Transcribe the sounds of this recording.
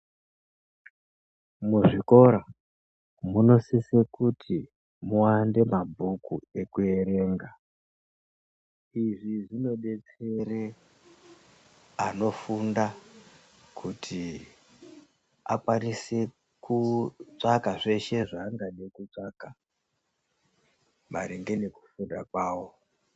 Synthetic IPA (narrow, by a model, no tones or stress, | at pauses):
muʐiko̞ɾa | muno̞sisekutʰi | muwande̞mabʱukue̞kue̞ɾe̞ːŋɡa | iʐiʐino̞ɓe̞t͡se̞re | ano̞funda | kʰutʰi | a̰kwanise̞ | kut͡ʂakaʐe̞ʃe̞ʐaːŋɡaɗekut͡ʂaka | maɾeŋɡe̞ne̞ku̥fundakwaːwo̞